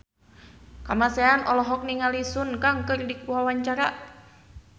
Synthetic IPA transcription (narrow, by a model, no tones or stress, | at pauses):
kamaseanɔlɔɦɔk̚niŋalisunkaŋkərdikuawaɲt͡ʃaɾaʔ